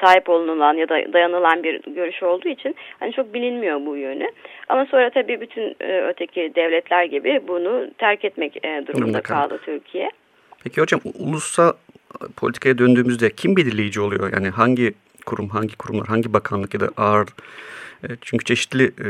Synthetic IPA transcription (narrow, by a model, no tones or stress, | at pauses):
saːɦipo̞lˠunɯlˠanjad̪a̰d̪ajanɯlˠanbiɾɟø̞ɾyʃo̞lˠd̪uːit͡ʃʰinhanit͡ʃʰo̞k̚bilʲinmijo̞bujønyamaso̞nɾat̪ʰabiːbyt̪ʰyn̰ːøɾt̪ʰecʰid̪ɛvlʲɛt̪ʰlʲæɾɟibibunʊt̪ʰæɾcɛt̪mɛcːd̪uɾumd̪akʰalˠɯ̰t̪ʰyɾcʰijɛ | pʰecʰiod͡ʒamṵlˠusapʰo̞lʲt̪ʰi̥kʰajad̪ønd̪yːmyzd̪ɛcʰimbid̪ilʲe̞jid͡ʒio̞lˠujo̞ja̰ːniɦaɲɟi | kʰuɾumɦaɲɟikʰuɾumlˠa̰ɾɦaɲɟibakʰanlˠɯkjad̪a̰ʔaɾ | t͡ʃʰyɲcʰyt͡ʃʰe̞ʃi̥t̪lʲi